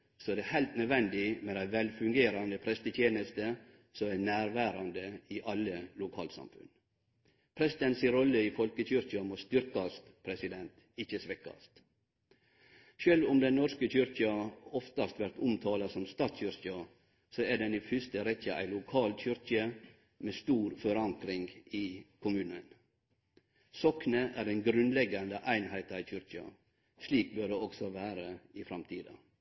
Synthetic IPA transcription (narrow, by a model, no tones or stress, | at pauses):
sɔɛd̪ɛhæɪlt̪nœd̪ʋɛnd̪ɪmɛd̪æɪʋɛlfʉŋɡeːɾɑnəpʰɾɛst̪ət̪ʰjeːnəst̪ə | sɔmænæːɾʋæːɾɑnd̪əɪʔɑlːəlʊkʰɑ̰ːlt̪sɑ̰mfʉ̰n | pʰɾɛsɪt̪ənsɪɾɔlːəifɔlkəçʏɾçɪɑmost̪ʏɾkɑst̪pʰɾɛsɪd̪ɛnt̪ | ɪçəsʋɛkɑ̰st̪ | ʃøːlʋʊmd̪ɛnnɔɾskəçʏɾçɪɑɔft̪ɑst̪ʋæɾt̪ʊmt̪ʰɑːlɑsɔmst̪ɑːt̪sɕʏɾçɑ | sɔæɖɛnifʏst̪əɾɛçəʔæ̰ɪlʊkʰɑːlt̪çʏɾkə | meːst̪uːɾfɔɾɑŋkɾɪŋɡɪːkʰʊmʉːnən | sɔknəʔæɾɛɪnɡɾʉnlɛɡɑnd̪əʔæɪnhæɪt̪içʏɾkɪɑ̰ | ʂliːk̚bøːɖeːɔɡsɔʋæːɾəɪfɾɑmt̪ʰiːd̪ɑ̰